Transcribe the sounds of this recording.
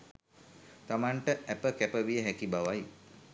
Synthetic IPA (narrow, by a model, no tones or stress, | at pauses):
t̪amaɳʈəæpəkæpəʋijəɦækibaʋaj